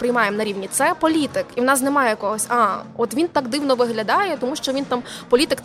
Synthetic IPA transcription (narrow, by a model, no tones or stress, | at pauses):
pɾɪjmɑjemnɐɾʲiʋnʲit̪sɛpɔlʲit̪ɪkiwnɑs̬nɛmɑjɛjkɔɦɔsʲɑɔt̪ʋʲint̪ɑkd̪ɪwnɔʋɪɦlʲɐd̪ɑjɛt̪ɔmuʃt͡ʃɔʋʲint̪ɑmpɔlʲit̪ɪkt̪